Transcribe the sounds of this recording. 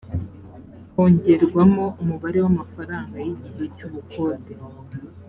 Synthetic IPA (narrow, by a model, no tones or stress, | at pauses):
ho̞ːɲɟe̞ɾɡwamo̞umuβaɾe̞wamafaɾaːŋɡajiɟijecuβukʰo̞ːde